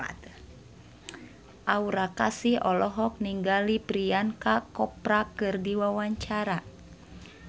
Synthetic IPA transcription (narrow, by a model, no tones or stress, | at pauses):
t | ʔauɾakasihɔlɔɦɔk̚niŋɡalipɾiankakɔpɾakɨrdiwawaɲt͡ʃaɾa